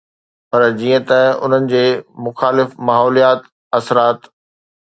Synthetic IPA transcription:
pɐɾd͡ʑiːə̃t̪ɐʊ̰n̤ənɪ̆d͡ʑeːmʊxaːlɪfmaːɦɔːlijaːt̪ | ɐsɾaːt̪

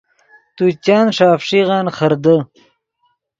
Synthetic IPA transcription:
t̪ut͡ɕɑːnʂaːfʂiʁɑːnχəɾd̪ə

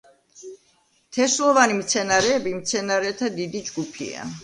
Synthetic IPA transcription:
t̪ʰɛslˠɔvanimt̪sʰɛnaɾɛːbimt̪sʰɛnaɾɛt̪ʰad̪id̪id͡ʒɡupʰḭa̰

